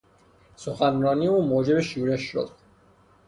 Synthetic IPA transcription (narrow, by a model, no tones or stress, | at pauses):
soxænɾɒːniːuːmoːd͡ʒe̞beʃuːɾeʃːo̰d̪̥